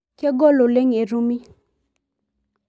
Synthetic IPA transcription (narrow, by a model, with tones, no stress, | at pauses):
kʰe˥˨ɡɔ˥˨lo˩˨le˥˨ŋe˨ru˩˨mi˨